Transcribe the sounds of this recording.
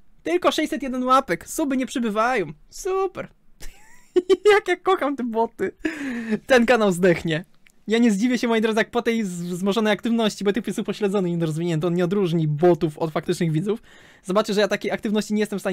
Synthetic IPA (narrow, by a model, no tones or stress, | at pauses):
t̪ɘlkɔʂɛjʲsɛt̪jɛd̪ɛnwapɛksubɘɲɛpʂɘbɘvajɔm | supɛɾ | jakjakːɔxamt̪ɛbɔt̪ɘ | t̪ɛnkanawzd̪ɛxɲɛ | jaɲɛzd͡ʑivʲjɛɕɛmɔjejd̪ɾɔd̪zɨjak̚pɔt̪ɛjzzmɔʐɔnɛjakt̪ɘvnɔɕt͡ɕibɔt̪ɛkpujɛsupɔɕlɛd̪zɔnɨxiɛnɾɔzvʲiɲɛnt̪ɛɔnɲɛɔd̪ɾuʐɲibɔt̪ufɔt̪fak̚t̪ɘt͡ʂnɘɣvʲid̪zuf | z̥ɔbat͡ʂɘʐɛjat̪akʲejakt̪ɘvnɔɕt͡ɕiɲɛjɛst̪ɛmfst̪a